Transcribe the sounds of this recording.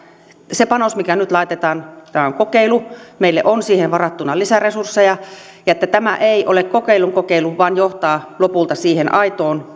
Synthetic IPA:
sepɑnosmikænyt̪lɑit̪et̪ɑːnt̪æɑæoŋkokeilumeilːḛʔonsiːhenʋɑrɑt̪ːunɑlisæresursːejɑjɑet̪ːæt̪æmæʔeiʔolekkokeiluŋkokeiluʋʋɑːnjoht̪ɑːlopult̪ɑsiːhenʔɑit̪oːn

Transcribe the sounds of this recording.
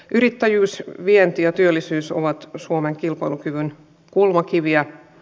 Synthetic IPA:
ʔyɾit̪ːæjyːsʋient̪ijɑt̪yølːisyːso̰ʋɑt̪suomeŋkilpɑjlukyʋyn | kulmɑkiʋiæ

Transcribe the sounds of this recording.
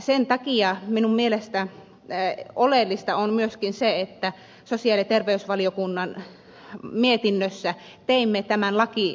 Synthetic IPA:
sent̪ɑkiɑminummielest̪æ | olelːist̪ɑonmyøskinseet̪ːæ | sosiɑlit̪erʋeysʋɑliokunːɑn | miet̪inːøsːæ | t̪eimːet̪æmænlɑki

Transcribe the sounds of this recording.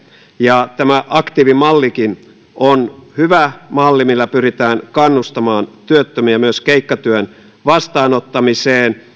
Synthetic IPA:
jɑt̪æmæʔɑkt̪iːʋimɑlːikin | ʔonhyʋæmɑlːimilːæpyɾit̪æːnkɑnːust̪ɑmɑːnt̪yøt̪ːømiæmyøskeikːɑt̪yøn | ʋɑst̪ɑːnot̪ːɑmiseːn

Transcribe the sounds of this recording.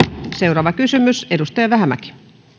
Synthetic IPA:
se̞wɾɑːʋɑkysymyse̞dust̪ɑjɑʋæɦæmæ̰ki̥

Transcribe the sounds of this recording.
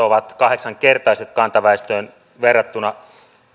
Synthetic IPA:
oʋɑt̪kɑheksɑŋkert̪ɑiset̪kɑnt̪ɑʋæest̪øːn | ʋerːɑt̪ːunɑ

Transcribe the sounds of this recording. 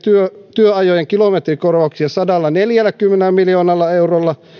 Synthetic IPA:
t̪yøt̪yøɑjojeŋkilomet̪rikorʋɑˑuksiɑsɑdɑlːɑneljælːˑækymːenelmiljoːnɑlːɑeurolːɑ

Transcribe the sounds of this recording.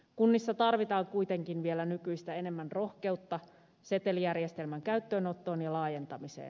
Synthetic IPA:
kunːisːɑt̪ɑrʋit̪ɑːŋkujt̪e̞ŋkinʋielænykyjst̪æe̞ne̞mːænro̞xke̞ut̪ːɑ | se̞t̪e̞lijærjest̪e̞lmæŋkæyt̪ːøːno̞t̪ːo̞ːnjɑlɑːje̞nt̪ɑmisḛːn

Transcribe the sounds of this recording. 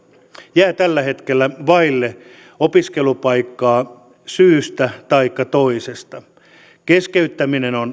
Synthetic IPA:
jæːt̪ælːæhet̪kelːæʋɑilːe | opiskelupɑikːɑː | syːst̪æt̪ɑikːɑt̪oisest̪ɑ | keskeyt̪ːæminenon

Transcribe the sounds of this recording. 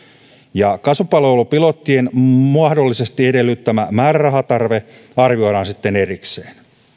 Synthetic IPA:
jɑkɑsupɑloulupilo̞t̪ːienmuɑhdo̞lːise̞st̪iede̞lːyt̪ːæmæmæːrærɑɦɑt̪ɑrʋe̞ | ɑrʋio̞jɾɑːnsit̪ːe̞ne̞rikseːn

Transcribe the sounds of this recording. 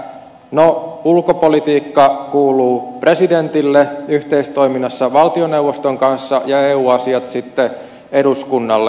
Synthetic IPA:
noulkopolit̪iːkːɑkuːluːpre̞sident̪ilːeyht̪e̞ist̪oiminːɑsːɑʋɑlt̪ioneuwʋost̪oŋkɑnsːɑjɑeuːɑsiɑt̪sit̪ːe | eduskunːɑlːe

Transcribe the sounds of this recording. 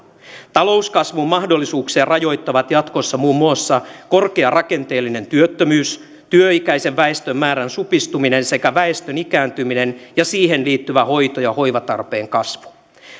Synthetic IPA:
t̪ɑlo̞uskɑsʋummɑhdo̞lːisuːkseːrɑjo̞jt̪ːɑʋɑt̪jɑt̪kosːɑmuːmːuɑsːɑko̞rkeɑrʔɑke̞nt̪e̞ːlːine̞nt̪yøt̪ːømyːs | t̪yøikæjse̞ʋʋæest̪ømːæːɾænsupist̪umine̞nsekæʋæest̪ønikæːnt̪ymine̞njɑsiːɦe̞nliːt̪ːyʋæho̞jt̪ojɑho̞jʋɑt̪ɑ̰rpe̞ːŋkɑsʋu̥

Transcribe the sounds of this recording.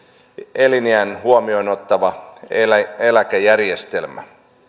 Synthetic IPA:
eliniænɦuomiono̞t̪ːɑʋɑ | elækæjærjest̪e̞lmæ̰

